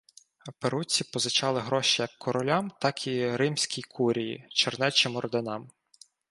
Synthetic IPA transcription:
peɾut͡sʲːipɔzɪt͡ʃɑlˠɪɦɾɔʃijɐkːɔɾɔlʲamt̪ɑkʰiɾɪmsʲkʲijkʰuɾʲijḭt͡ʃɔrnɛt͡ʃɪmɔɾɔd̪enɑm

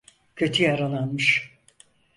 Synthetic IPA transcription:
cʰøt̪ʰyjaɾalˠanmɯʃ

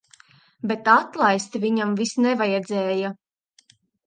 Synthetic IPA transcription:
bet̪at̪lˠajst̪vʲiɲamvisnɛvajɛd̪zɛːja

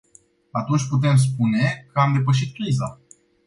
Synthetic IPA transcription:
at̪unt͡ʃʲput̪̬e̞ms̬pune̞kəamd̪e̞pəʃ̬it̪̚kɾiza

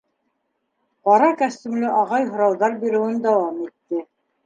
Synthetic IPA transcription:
qɑɾɑkæst̪imlɘʔɑʁɑjɦŏɾɑwðɑɾbiɾɘ̆wɘnd̪æwɑmit̪ːɘ

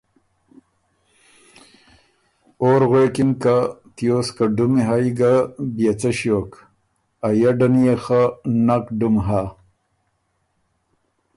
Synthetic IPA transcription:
oːɾɣekinkat̪ijoskaɖumiɦajɡabijat͡saɕjoːk | ajaɖɐnijexanakɖumɦa

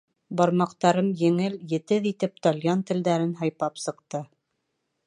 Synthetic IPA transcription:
bɒɾmɑqt̪ɑɾɤmjɘ̆ŋɘljɘ̆t̪ɘðit̪ɘp̚t̪ɒlʲjɑnt̪ɘ̆ld̪æɾɘnɦɑjpɑpsɤ̆qt̪ɤ

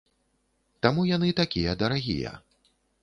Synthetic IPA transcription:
t̪amujanɨt̪akʲijɐd̪ɐɾaɣʲḭjɐ̰

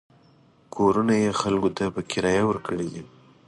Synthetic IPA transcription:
kʰoɾunajexalkot̪apəkɪɾɑjawəɾkʰəɽed̪i

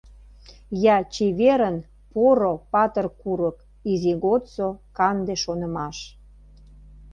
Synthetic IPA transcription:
jɑt͡ɕeβeɾən | poɾopɑt̪ərkuɾək | iziɣot̪t͡sokɑnd̪eʃonə̆mɑʃ

